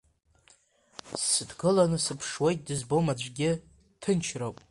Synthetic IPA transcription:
sːɨdɡɨlanɨsɨpʰʂwejt̚ʼdɨzbo̞mad͡ʒʷɡʲɪ | tʰɨnt͡ʃʰrowpʼ

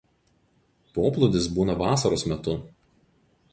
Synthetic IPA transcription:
poːplˠʊd̪ʲɪs̬buːnɐʋɑːsɐɾoːsmʲɛt̪ʊ

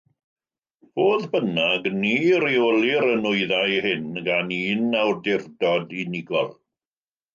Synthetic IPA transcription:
v̥oːðbənaɡniːɾioliɾənʊɨðajhɪnɡaniːnawrdɪrdɔdinɪɡɔ̰lˠ

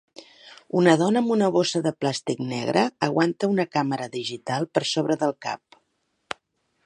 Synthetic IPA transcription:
unəðɔnəːmbunəβosəðəplast̪iknɛɣɾʔəəɣwant̪əunəkaməɾəðiʒit̪alˠpəɾsoβɾəðəlˠka̰p̚

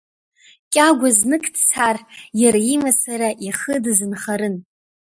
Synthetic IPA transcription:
kʲʼaɡʷaznɨkʰʼtʰt͡sʰarjaɾaimasaɾaʔiχədzɨnχaɾɨn

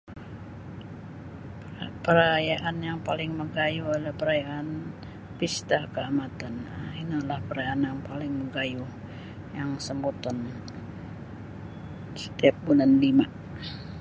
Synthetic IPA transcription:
pəɾajaʔanjaŋpalɪŋməɡajualapəɾajaʔan | pist̪akəamat̪anainalahpəɾajaanjaŋpalɪŋməɡaju | jaŋsəmbut̪ɔn | sə̥t̪iap̚bulanlima

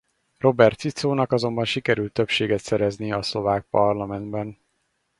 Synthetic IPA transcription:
ro̞bɛrt̪sit̪soːnɒkɒzo̞mbɒnʃikɛɾylt̪ːøpʃeːɡɛt̪sɛɾɛzniɒslo̞vaːk̚pɒrlɒmɛnd̪bɛn

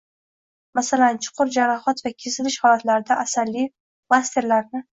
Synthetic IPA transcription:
masalant͡ʃʰʊ̥qʰʊɾd͡ʒaɾaχɒt̪vakʲʰesɪlɪʃhɒlat̪laɾɪd̪aʔasalːi | mast̪ʰe̞ɾlaɾnɪ

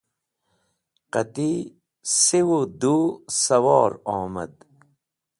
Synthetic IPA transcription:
qɐt̪i | sewod̪uːsɐwɑːɾɔːmɐ̰d̪

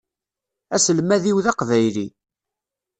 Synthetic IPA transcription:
æsəlmæðiwðɑqvæjli

